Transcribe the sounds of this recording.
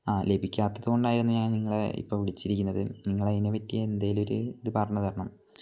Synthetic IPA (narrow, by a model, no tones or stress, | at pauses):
aːle̞bʱikʲːaːt̪ːɐðuɣo̞ɳɖaːjiɾunːuɲaːnniŋːɐɭḛḭpːo̞ːʋiɭit͡ɕːiɾikʲːunːɐðɨniŋːɐɭɐðineʋɐtːijɐend̪ajilo̞ɾṵiðɨpɐrɐɲːɐðɐɾɐɳɐm